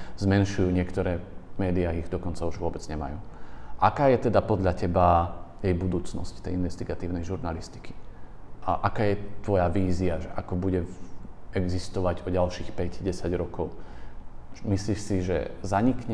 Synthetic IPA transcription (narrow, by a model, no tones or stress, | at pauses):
zmɛnʃujuːɲɪɛkt̪ɔɾɛːmɛːd̪iaiɣd̪ɔkɔnt͡sauʒʋʊɔbɛd͡zɲɛma̰juːʔakaːjɛt̪ɛd̪apɔd̪ʎacɛbajɛjbud̪uːt͡snɔ̰sct̪ɛjinʋɛst̪iɡat̪iːʊnɛjʒuɾnalist̪i̥ki̥ | ʔakaːjɛt̪ʋɔjaʋiːziaʒɛʔakɔbuɟɛ | ɛɡzist̪ɔʋaɟɔɟalʃiːxpɛɟɟɛsaɟɾɔkɔʊ | misliʃsiʒɛ̰zaɲikɲɛ